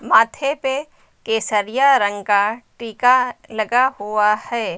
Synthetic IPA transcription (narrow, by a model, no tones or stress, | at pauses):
maːt̪ʰepe | keːsəɾɪjaɾə̃ŋɡkaʈiːkalɐɡahuahɛː